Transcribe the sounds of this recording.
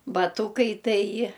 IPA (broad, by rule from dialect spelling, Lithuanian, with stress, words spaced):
bɐˈtuːkɐɪ ˈtɐɪ